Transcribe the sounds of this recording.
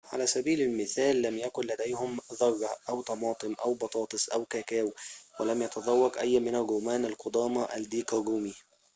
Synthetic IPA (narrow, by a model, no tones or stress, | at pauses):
ʕa̰læːsæbiːlalmɪθæːlːæmjækʊnlæd̪æjhʊmðˤɑrˤːɑʔawt̪ɑmɑːt̪ˤɨmʔawbɑt̪ˤɑːt̪ˤɨsˤʔawkæːkæːwwalæmjɑt̪ɑðˤɑwːɑqʔajːmɪnalɣʊmaːnalqʊd̪ˤɑːmɑʔald̪iːkɑɡuːmi